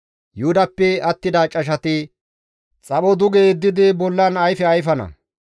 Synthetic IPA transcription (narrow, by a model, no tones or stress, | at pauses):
jʊhʊd̪ɐpːɛɐt̪ːɪd̪ɐt͡ʃʼɐʃ̬ɐt̪ɪ | t͡sʼɐɓɔd̪ʊɡeːd̪ːɪd̪ɪbɔlːɐnɐjfɛɐjfɐnɐ̰